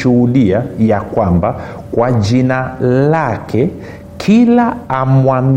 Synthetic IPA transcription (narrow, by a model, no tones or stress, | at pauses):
uhuɗiajakwamba | kwaʄinalakʰɛ | kʰilaːmwam